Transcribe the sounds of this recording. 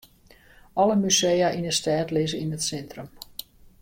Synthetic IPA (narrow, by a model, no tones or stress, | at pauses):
ʔɔləmysejaʔinəstɛːtlɪzəinətsɛntrəm